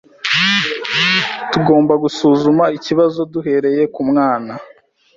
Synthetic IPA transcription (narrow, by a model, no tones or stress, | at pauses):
tuɡo̞ːmbaɡusuːzumaiciβazo̞duɦe̞ɾe̞je̞kumŋaːna